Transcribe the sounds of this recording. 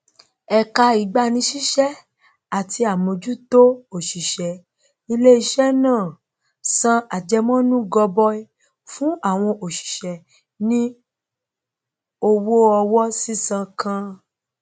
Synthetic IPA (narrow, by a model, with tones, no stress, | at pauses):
ɛ˨ka˧i˨˦ɡ͡ba˦nĩ˧˦ʃi˦ʃɛ˦ | a˨ti˧a˨mõ˨˧d͡ʒu˦to˦o˨ʃi˨ʃɛ˨ | i˧le˦i˧ʃɛ˦nãː˦˨ | sã˧a˨d͡ʒɛ˧mɔ̃˦nũ˦ɡɔ˧bɔ˧˦i˦ | fũ˦a˦˨w̃ɔ̃˧ʔo˨ʃi̥˨ʃɛ˨ | nĩ˦ | o˧wo˦ɔ˧wɔ˦si˦sã˧kã˧